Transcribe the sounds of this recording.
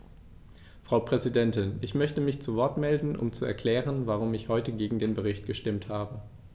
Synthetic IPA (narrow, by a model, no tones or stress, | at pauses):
fʁ̥aʊpʁ̥ɛzidɛntɪnɪçmœçtəmɪçt͡suvɔɐtmɛldn̩ʔʊ̰mt͡suɛ̰ɐkʰl̥ɛːʁənvaʁ̞ʊmɪçhɔʏtəɡeːɡŋ̩deːnbəʁ̞ɪçt̚ɡ̥əʃtɪmthaːbə